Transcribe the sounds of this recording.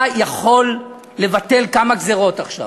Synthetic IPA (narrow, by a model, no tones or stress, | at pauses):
jaχo̞lː | e̞vat̪e̞lkamaɡzeʁo̞taχʃa̰